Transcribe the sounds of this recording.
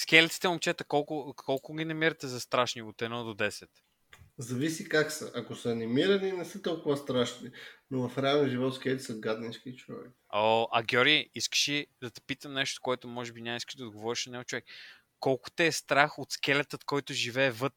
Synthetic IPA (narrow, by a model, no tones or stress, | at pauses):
skʲɛlɛt̪si̥t̪ɛmomt͡ʃɛt̪əkɔlˠkʊkʰɔlˠkʊɡʲinɐmiɾɐt̪ɛzɐst̪ɾaʃniot̪ɛnɔd̪od̪ɛsɛt̪ | zɐvisikaksəʔɐkosəɐnimiɾɐninɛsət̪ɔlˠkʊvɐst̪ɾaʃninovɐfɾɛalˠnɛʒivɔt̪skʲɛlʲt̪isəɡad̪ninskit͡ʃovɛ̰koʔɐɡʲɔɾʲiiskə̥ʃid̪ɐt̪ɛ̥pit̪əmnɛʃt̪o̥koɛt̪ʊmɔʒɛbinʲamiskə̥ʃd̪d̪ɡovɔɾiʃnɐnʲɛvt͡ʃʊvɛk | kːɔlˠkʊ̥t̪ɛːst̪ɾaxot̪skʲɛlɛt̪ət̪kɔjt̪ʊʒivɛːvɤt̪